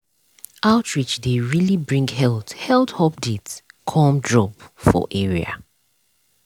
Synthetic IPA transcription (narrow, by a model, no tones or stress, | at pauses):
aʊtʰɹit͡ʃdeɹilibɹĩŋɡɦɛlˠthɛlˠthɔpditkʰɔmdɹɔpfɔ̰ʔɛɹia̰